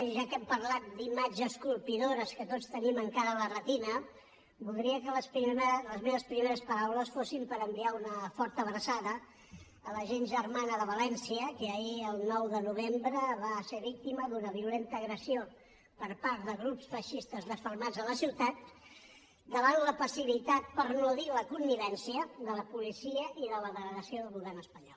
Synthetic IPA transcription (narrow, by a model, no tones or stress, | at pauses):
ʒakɛmpəɾlat̪̚d̪imad͡ʒəskulˠpiðoɾəskət̪otst̪əniməŋkaɾələrət̪inə | bulˠd̪ɾiəkələspiləzmeβəspɾimeɾəspəɾawləsfosimpəɾəmbiaunəfɔɾt̪əːβɾəsaðəː | ləʒenʒəɾmanəðəβəlɛnsiəkəəiəlˠnɔwðənuβ̞embɾəβaseβik̚t̪iməðunəβiulent̪əːɣɾəsio | pəɾpaɾt̪̚ðəɣɾupsfəʃist̪əzðəfəɾmad͡zðələsiwt̪at̪̚ | d̪əβanləpəsiβit̪at̪̚pəɾnoðiləkunːiβɛnsiəðələpulisiəʔiðələðəɣləɣəsioðəlˠɣuβɛrnəspəɲɔlˠ